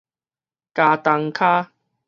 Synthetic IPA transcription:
kaː˧t̪a˧ŋkʰaː˦

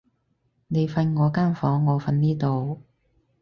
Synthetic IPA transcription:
ne˨˧jfɐ˧nŋɔː˨˧kaː˥nfɔː˨˥ŋːɔː˨˧fɐ˧nniː˥t̪o˨w

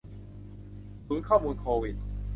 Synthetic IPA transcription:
suː˩˦nkʰɔː˥˩muː˧nkʰoː˧wi˨˩t̪̚

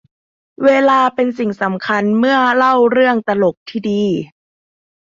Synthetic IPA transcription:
weː˧laː˧pe˧nsi˨˩ŋsa˩˦mkʰa˧nmɯ˥˩ɐla˥˩wɾɯ˥˩əŋt̪a˧lo˨˩k̚t̪ʰiː˥˩diː˧

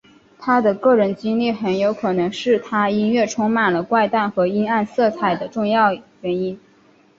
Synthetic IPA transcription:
t̪ʰa˥d̪ə˨kɤ˥˩ɻə˧˥˩nt͡ɕi˥ŋli˥˩xə˧˥njo˧˥ʊkʰɤ˨˩nɤ˧˥ŋʂɻ̩˥˩t̪ʰa˥i˥nɥɛ˥˩ʈ͡ʂʰʊ˥ŋma˨˩nlə˦kwa˥˧ɪt̪a˥˩nxɤ˧˥i˥na˥˧nsɤ˥˩t͡sʰa˨˩ɪd̪ə˦ʈ͡ʂʊ˥˧ŋjɑ˥˩ʊɥɛ˧˥ni˥n

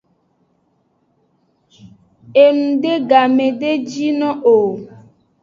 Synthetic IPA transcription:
e˨nũ˨ɖe˦ɡa˨mẽ˨ɖe˦d͡ʒi˦nɔ̃˦ʔo˨

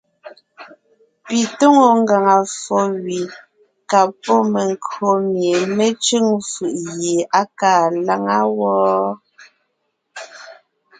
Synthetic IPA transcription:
pi˨to˦ŋo˨ŋ˦ɡa˨ŋa˨fɔ˨ɥi˨ | ka˨pɔ˦me˨ŋ˨ko˨mje˨me˦t͡ʃʉ˦ŋfɯ˨ʔje˨ʔa˦kaː˦˨la˦ŋa˦wɔː˦

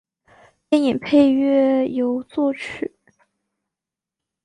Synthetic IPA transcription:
p̪jɛ˥˧ni˨˩npʰe˥˧ɪɥɛ˥˩jo˧˥ʊt͡swɔ˥˩t͡ɕʰy˨˩˦

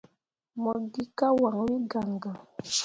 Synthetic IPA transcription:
mɔ˨ɡi˦ka˦wa˨ŋwi˦ɡa˨ŋɡa˨

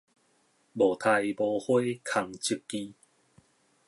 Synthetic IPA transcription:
bo˨˩t̪ʰa˧jbo˧hwe˦kʰa˧ŋt͡ɕi˦kːi˦

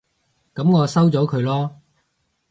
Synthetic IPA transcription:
kɐ˨˥mŋɔː˨˧sɐ˥wt͡sɔː˨˥kʰɵ˨˧ɥlɔː˥

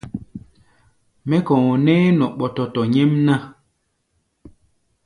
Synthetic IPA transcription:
mɛ˦kɔ̃˨nɛː˦nɔ˨ʔɓɔ˨tɔ˨tɔ˨ɲe˦mna˦

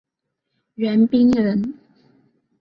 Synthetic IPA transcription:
ɥɛ˨˧˥npi˥ŋɻə˨˥n

